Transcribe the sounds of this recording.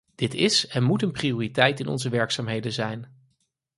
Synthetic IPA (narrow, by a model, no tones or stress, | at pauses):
d̥ɪtɪsɛnmutənpriʊːritɛjtɪnɔ̰nzəʋɛɹksaːmɦejdənzɛjn